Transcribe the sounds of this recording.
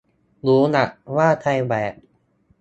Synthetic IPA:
luː˦˥na˨˩ʔwaː˥˩t̪ʰa˧jbɛː˨˩k̚

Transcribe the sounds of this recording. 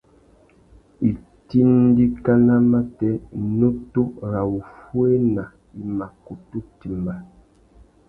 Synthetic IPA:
i˨ | ti˦n˦di˦ka˦na˦ma˦tɛ˦˨no˦to˦ɾa˨wu˨fu˦e˦na˨ | i˨ma˨ku˨tu˦ti˨mba˨

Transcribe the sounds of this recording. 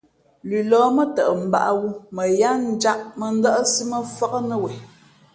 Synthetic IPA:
li˨lɔː˨˦mə˦tə˨ʔə˨m̩˨ba̰˨ʔə˦wu˦mə˨ja˦n̩˦d͡ʒa˦ʔmə˨n̩˦də˦ʔə˦si˦mə˦˨fa˦kə˦nə˦wɛ˨

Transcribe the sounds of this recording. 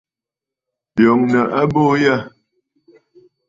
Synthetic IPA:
bo˨ŋnə˨ʔa˦bo˦ja˦

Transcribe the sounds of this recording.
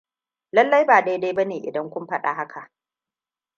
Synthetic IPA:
lɐ˦lːɐ˦jbaː˨da˦jda˦jbɐ˦neː˨ʔɪ̰˨dɐ˦ŋkʷʊ˦mɸɐ˦ɗa̰ː˨ɦa˦kʰa˨ʔ

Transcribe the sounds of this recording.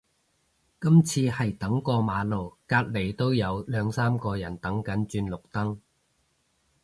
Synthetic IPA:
kɐ˥mt͡sʰiː˧hɐ˨jt̪ɐ˨˥ŋkɔː˧maː˨˧lo˨˩wkaː˧t̚le˨˩jt̪o˥wjɐ˨˧wlœː˨˧ŋsaː˥mkɔː˧jɐ˨˩nt̪ɐ˨˥ŋkɐ˨˥nt͡ʃyː˧nlʊ˨k̚t̪ɐ˥ŋ

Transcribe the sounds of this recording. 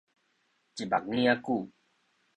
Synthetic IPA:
t͡ʃi˨ba˨k̚ni˦a˦ku˦˨

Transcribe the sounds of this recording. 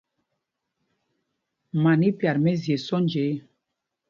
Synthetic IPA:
ma˨ni˦pja˨ɾmɛ˦zje˨sɔ˦nd͡ʒe˨˦

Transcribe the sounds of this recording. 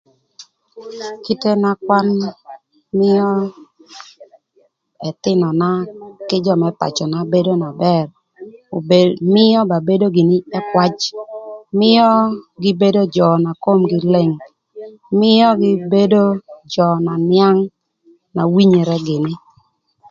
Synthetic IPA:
ki˦te˦na˦kwa˦n | mɪ˦jɔ˦ | ɛ˨t̪ɪ˦nɔ˨na˦kɪ˦d͡ʒɔ˦mɛ˦pa̰˨t͡ʃɔ˨na˨be˦do˦na˨bɛ˦˨r | mɪ˦jɔ˦ba˨be˦do˦ɡɪ˨nɪ˦ɛ˦kwa˦t͡ʃ | mɪ˦jɔ˦ɡɪ˦be˦do˦d͡ʒɔ˨na˨ko˦mɡɪ˨le˦ŋ | mɪ˦jɔ˦ɡɪ˦be˦do˦d͡ʒɔ˨na˨nja˦ŋ | na˨wi˦ɲe˨ɾɛ˦ɡɪ˨nɪ˦

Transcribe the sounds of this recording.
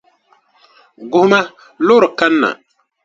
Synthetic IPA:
ɡʊ˨hʊ˦ma˦ | lʊ˦ɾɨ˨ka˦nːa̰˨

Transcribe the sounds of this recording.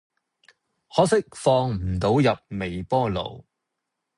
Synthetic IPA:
hɔː˨˥sɪ˥k̚fɔː˧ŋm̩˨˩t̪o˨˥wjɐ˨p̚me˨jpɔː˥lo̰˨˩w

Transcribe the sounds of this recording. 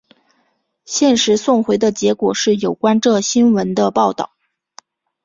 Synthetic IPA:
ɕjɛ˥˩nʂɻ̩˧˥sʊ˥˩ŋxwe˧˥ɪd̪ə˧t͡ɕjɛ˧˥kwɔ˨˩ʂɻ̩˥˩jo˨˩ʊkwa˥nʈ͡ʂɤ˥˩ɕi˥nwə˧˥nd̪ə˧pɑ˥˧ʊt̪ɑ̰˥˩ʊ

